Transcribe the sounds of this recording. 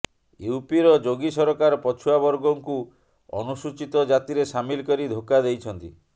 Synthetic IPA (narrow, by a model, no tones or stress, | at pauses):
eupiɾɔd͡ʒoɡisɔɾɔkaɾɔpɔt͡ʃʰuabɔɾɡɔŋku | ɔ̰nusut͡ʃit̪ɔd͡ʒat̪iɾesamilkɔɾid̪ʱokad̪ejt͡ʃʰɔnt̪ḭ